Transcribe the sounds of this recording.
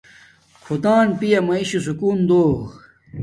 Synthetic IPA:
kʰot̪aːnpijɐmɐiɕusukuːnd̪oː

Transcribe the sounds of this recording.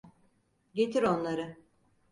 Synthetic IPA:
ɟe̞t̪ʰiɾo̞nlˠaɾɯ

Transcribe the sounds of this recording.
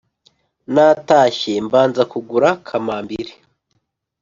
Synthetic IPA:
naːtaːçembaːnzakuɡuɾakʰamaːmbiɾe̥

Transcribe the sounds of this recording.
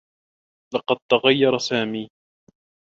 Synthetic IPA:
lɑqɑd̪̚t̪aɣajːɑɾˤɑsaːmiː

